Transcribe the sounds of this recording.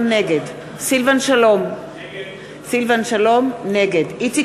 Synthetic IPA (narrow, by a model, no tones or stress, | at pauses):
mneɡed | silvanʃalom | silvanʃalo̞mne̞ɡediti